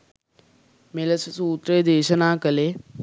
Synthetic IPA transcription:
meləssuːt̪ɾeːd̪eːʃənãːkəleː

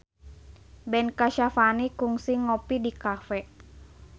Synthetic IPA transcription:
bɛnkaʃafanikuŋsiŋɔpidikafɛ

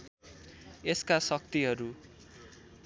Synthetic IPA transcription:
eskasʌk̚t̪iɦʌɾu

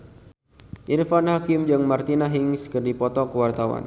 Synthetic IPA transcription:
ʔirfanhakɪmd͡ʒɨŋmart̪inaɦɪŋskərdipɔt̪ɔkəwart̪awa̰n

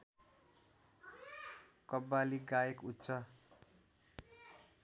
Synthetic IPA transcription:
kʌbːaliɡajekutːsʰʌ

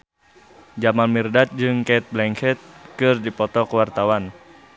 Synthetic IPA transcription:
d͡ʒamanmirdat̪̚d͡ʒɨŋkɛt̪̚blɛŋkɛt̪̚kɨrdipɔt̪ɔkəwart̪awan

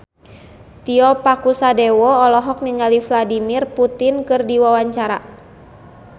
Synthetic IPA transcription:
t̪iɔpakusadewɔːlɔɦɔk̚niŋalifladimirput̪ɪnkɨrdiwawaɲt͡ʃaɾa̰

